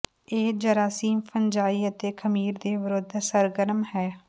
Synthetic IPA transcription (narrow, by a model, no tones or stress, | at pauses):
eːd͡ʒəɾaːsiːmpʰəɲd͡ʒaːiːət̪eːkʰəmiːɾd̪eːʋəɾod̪ʱsəɾɡəɾmhɛː